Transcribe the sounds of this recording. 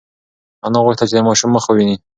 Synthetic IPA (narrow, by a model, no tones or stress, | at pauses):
anɑɣʊʂt̪at͡ʃed̪əmɑʃumːəxəwini